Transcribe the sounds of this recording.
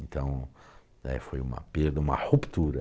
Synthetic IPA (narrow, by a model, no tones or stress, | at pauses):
ẽnt̪ɐ̃w̃ | ɛ̰fojũmɐ̰peɾd̪ɐũmɐ̰hupt̪uɾɐ